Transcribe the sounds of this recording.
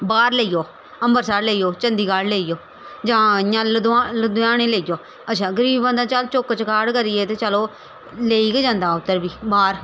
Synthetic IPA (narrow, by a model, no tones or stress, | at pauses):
baːɾleiːjoː | əmbəɾsaːɾleːiːjoːt͡ʃənd̪iːkaːɽleːiːjoː | d͡ʒãːjãːləd̪aləd̪ʊjaːɽ̃eːleːijoː | ətːʃʰaːɡəɾiːbbə̃nd̪ãːt͡ʃəlt͡ʃokːət͡ʃkaːɽkəɾɪːeːt̪eːt͡ʃəloː | leːiːɡeːd͡ʒãːnd̪aːʊt̪ːəɾbiːbaːɾ